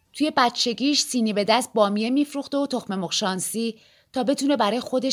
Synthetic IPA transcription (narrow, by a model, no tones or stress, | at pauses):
t̪ʰuje̞bæt̪t͡ʃʰe̞ɟʲiːʃsiːnibe̞d̪æst̪̚bɒːmije̞miːfɾuːxt̪eot̪ʰo̞xme̞moχʃɒːnsiː | t̪ʰɒːbe̞t̪ʰune̞bæɾɒːjexo̞d̪e̞ʃ